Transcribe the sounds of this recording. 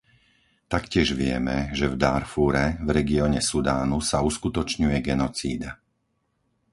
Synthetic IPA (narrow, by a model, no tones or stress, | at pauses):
t̪akcɪɛʒʋɪɛ̰mɛʒɛvd̪aɾfuːɾɛvɾɛɡiɔːɲɛsud̪aːnusauskut̪ɔt͡ʃɲujɛɡɛnɔt͡sḭːd̪a